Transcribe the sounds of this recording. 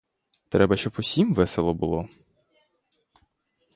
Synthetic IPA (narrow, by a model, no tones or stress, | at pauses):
t̪ɾɛbɐʃt͡ʃɔpʊsʲimʋɛselˠɔbʊlˠɔ